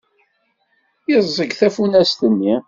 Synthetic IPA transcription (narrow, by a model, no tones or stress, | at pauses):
jəzˤːəɡθæfunæst̪ənːi